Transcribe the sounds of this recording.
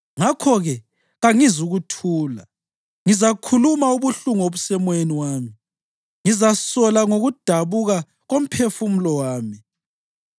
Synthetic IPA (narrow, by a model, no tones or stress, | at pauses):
ŋakʰɔɣɛ | ɣaŋizuɣutʰuːla̰ | ŋizakʰulumauβuɬuŋoβusɛmweniwaːmi | ŋizasɔlaŋoɣud̥ʱaβuɣa | ɣom̩pʰefum̩lɔwaːmi